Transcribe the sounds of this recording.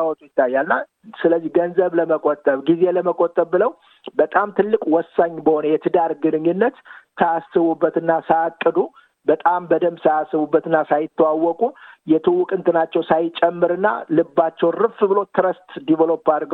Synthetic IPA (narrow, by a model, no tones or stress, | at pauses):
awot͡ʃujɪt̪ːajːalɨnːa | sɨləzːihɡənzəβləməkʼot̪ʼːəβɡizeləməkʼot̪ʼːəβːɨləw | bət̪ʼamt̪ʰɨlːɨkʼwɔsːaɲːbəho̞nəjɛt̪ʰɨd̪aɾɡɨnɨɲːɨnːət̪t̪ʰːəasɨβubːət̪ɨnːasajakʼːɨd̪u | bət̪ʼambəd̪əmsajasːɨβubːət̪ɨnːasajɪt̪ʰːəwawːɔkʼujɛt̪ʰɨwːʊkʼɨnt̪ʰɨnat͡ʃːɛwsajɪt͡ʃʼːɛmːɨɾɨnːa̰lɨbːat͡ʃːɛwnrɨfbɨlo̞t̪ʰɨɾəst̪d̪ivəlo̞pːad̪ɡ